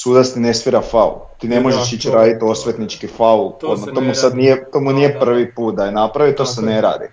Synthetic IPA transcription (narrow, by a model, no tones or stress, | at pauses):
suːd̪ast̪ine̞sʋiɾafaṵt̪iːne̞mo̞ʒeʃit͡ɕɾaːd̪it̪o̞sʋet̪nit͡ʃkifauod̪mat̪o̞musad̪nijet̪o̞ːmunijepr̩ʋipuːt̪̚d̪ajenapɾaʋit̪osene̞ɾa̰ːd̪ḭ